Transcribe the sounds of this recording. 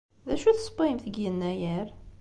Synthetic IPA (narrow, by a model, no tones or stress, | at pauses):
ðæʃuθsˤbimθəɡjənːæjəɾ